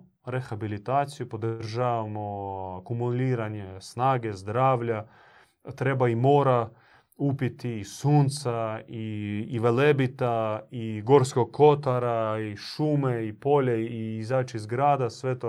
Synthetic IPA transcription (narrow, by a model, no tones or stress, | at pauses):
ɾexabilit̪aːt̪sijupo̞d̪ɾʒaːʋamokumuliːɾaɲesnaːɡe̞zd̪ɾaːʋʎa | t̪ɾe̞baimo̞ːɾa | upit̪iːsuːnt̪saiːʋelebit̪aiɡo̞ɾskoɡ̚kʰo̞t̪aɾaiʃuːmeipo̞ʎeiizaːt͡ʃizɡɾaːd̪asʋe̞t̪o